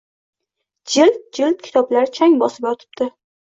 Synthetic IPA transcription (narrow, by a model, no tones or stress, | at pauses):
d͡ʒɪlt̪̚d͡ʒɪlt̪̚kʲʰt̪ʰɒblaɾɪt͡ʃʰaŋbɒsɪbjɒt̪ʰɪ̥b̚d̪̥ɪ